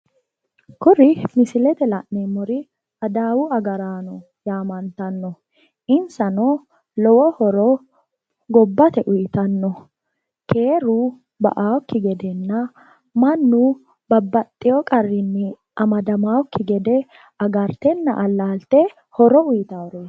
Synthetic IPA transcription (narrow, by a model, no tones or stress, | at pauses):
kʊɾɪmɪsɪlɛt̪ɛlɐʔnemɔɾɪ | ɐd̪aːwʊɐɡɐɾaːnɔ | jaːmɐnt̪ɐnːɔ | ʔɪnsɐnɔ | lɔwɔhɔɾɔ | ɡɔbːɐt̪ɛʔʊjɪt̪ɐnːɔ | kʰe̞ːɾʊ | bɐ̰ʔaːwɔkːɪɡɛd̪ɛnːɐ | mɐnːu | b̥ɐbːɐt̪ʼːɪjɔkʼɐrːɪnːɪ | ʔɐmɐd̪ɐmaːwɔkːɪɡɛd̪ɛ | ɐɡɐɾt̪ɛnːɐ̰ʔɐlːaːlt̪ɛ | hɔɾɔʊjɪt̪awɾeːs